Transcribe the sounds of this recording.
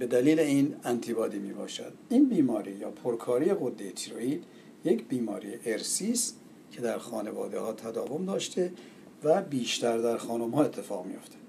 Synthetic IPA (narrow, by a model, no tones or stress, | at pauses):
be̞d̪æliːleiːnænt̪ʰibɒːd̪iːmiːbɒ̰ːʃæ̰d̪̥iːnbiːmɒːɾijɒːpʰoɾkʰɒːɾiːjeɣod̪ːejet̪ʰiɾo̰iːd̪̥ | jecʰbiːmɒ̰ːɾḭjeʔeɾsiːst̪ | cʰe̞d̪æɾxɒːnevɒ̰ːd̪ehɒːt̪ʰæd̪ɒːvo̞md̪ɒːʃt̪ʰe | væbiːʃt̪æɾd̪æɾxɒːnomhɒːe̞t̪ʰːe̞fɒːɣmḭjo̞̰ft̪ʰe̥